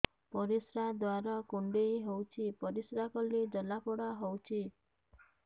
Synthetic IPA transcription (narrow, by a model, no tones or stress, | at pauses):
pɔɾisɾad̪waɾɔkuɳɖejɦowt͡ʃʰipɔɾisɾakɔlid͡ʒɔlapɔɽaɦowt͡ʃʰi